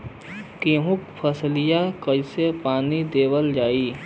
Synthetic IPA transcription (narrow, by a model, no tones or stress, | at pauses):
kiɦʊkpʰəslɪjakəisepaːnid̪eːwəld͡ʒaːiː